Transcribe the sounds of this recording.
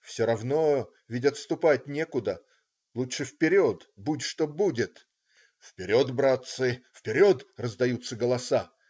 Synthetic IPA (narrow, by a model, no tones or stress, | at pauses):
fsʲoɾɐvno̞ | vʲɪdʲət̪st̪ʊpat̚ʲnʲekʊd̪ə | lˠutʂɨfpʲɪɾʲo̞t̪butʲʂt̪o̞budʲɪt̪ | fpʲɪɾʲod̪bɾat̪sɨfpʲɪɾʲo̞t̪rəzd̪ɐjut̪sːəɡəlˠɐsa